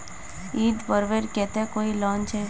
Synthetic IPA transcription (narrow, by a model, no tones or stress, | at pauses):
iːd̪pəɾʋeːɾkɛt̪ekoːilɔːnt͡ʃʰe